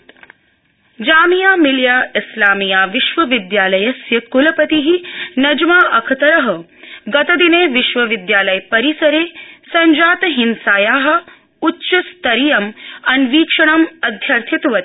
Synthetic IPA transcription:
d͡ʒaːmijaːmiljaːɪslaːmijaːʋiʃʋɐʋɪd̪jaːlɐjɐsjɐkulɐpɐt̪iɦinɐd͡ʒɐmaːʔɐkʰɐt̪ɐɾɐɦɐ | ɡɐt̪ɐd̪ineːʋiʃʋɐʋid̪jaːlɐjpɐɾisɐɾeːsɐɲd͡ʒaːt̪ɐɦinsaːjaːɦɐ̆ | utːʃɐst̪ɐɾijɐmɐnʋiːkʂɐɳɐmɐd̪ʱjɐɾt̪ʰit̪ʋɐt̪

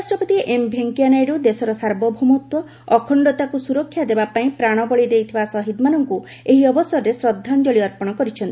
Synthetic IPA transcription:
asʈɾɔpɔt̪iʔembʱeŋkianajɾud̪esɔɾɔsaɾbɔbʱumut̪wɔː | kʰɔɳɖɔt̪akusuɾɔkʰːjad̪ebapaĩpɾaɽ̃ɔbɔɭid̪ejt̪ʰibasɔɦid̪manɔŋku | eɦiɔbɔsɔɾɔɾesɾɔd̪ʱːand͡ʒɔɭiɔɾpɔɽ̃ɔkɔɾit͡ʃʰɔnt̪i

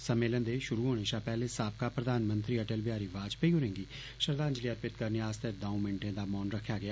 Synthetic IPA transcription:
səmeːlənd̪eːʃʊɾuːɦoːɽ̃eːʃaːpɛːleːsaːpkaːpɾəd̪aːnmənt̪ɾiːəʈelʋɪjaːɾiːʋaːd͡ʒpəiːɦoːɾẽːŋɡiː | ʃəɾd̪aːəɲd͡ʒliːəɾpɪt̪kəɾneːaːst̪ed̪ãmɪnʈẽːd̪aːmɔːnɾəkʰːjaːɡɪaː

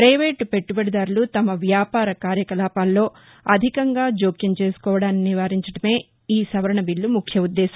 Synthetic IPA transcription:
pɾɐjʋe̞ːʈpe̞ʈːubɐɽɐd̪aːɾulut̪ɐmɐʋjaːpaːɾɐkaːɾjɐkɐlaːpaːlːo̞ː | ɐd̪ʱikɐŋɡaːd͡ʒoːkiŋt͡ʃe̞ːsu̥kɔːʋɐɽaːnniʋaːɾiɲt͡ʃɐɽɐme̞ː | iːsɐʋɐɾɐɳɐbilːumukʰjɐud̪ːɛːsɐm

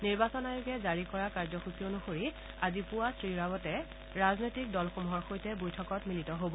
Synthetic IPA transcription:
niɹbasɔnajuɡɛzaɹikɔɹakaɹzɔxukionuxoɹi | azipʊwasɹiɹabɔtɛ | ɹaznojtik̚dɔlxomuɦɔɹxojtɛbojtʰɔkɔtmilitɔɦobɔ

